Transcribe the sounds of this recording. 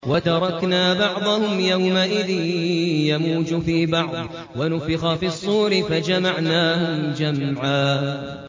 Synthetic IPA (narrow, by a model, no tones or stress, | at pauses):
wat̪ɑɾˤɑknaːbɑʕd̪ˤɑhʊmjawmaʔɪðɪnjamuːd͡ʒʊfiːbɑʕd̪ˤ | wanʊfɪxafiːɑsˤːuːɾɪfad͡ʒamaʕnaːhʊd͡ʒamʕaː